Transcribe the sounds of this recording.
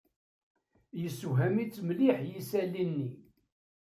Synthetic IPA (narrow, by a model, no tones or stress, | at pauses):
jəsːuɦæmit͡sːmliħjisælːinːi